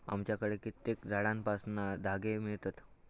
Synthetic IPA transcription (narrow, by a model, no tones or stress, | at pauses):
a̰mt͡ɕjakəɽekit̪ːekd͡zʱaɽanpasnad̪ʱaɡemiɭt̪at̪